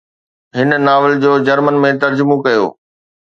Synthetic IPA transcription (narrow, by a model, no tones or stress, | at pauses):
ɦɪnnaːʋɪld͡ʑoːd͡ʑɐɾmənmẽt̪ɐɾd͡ʑʊmõkɐjo̰ː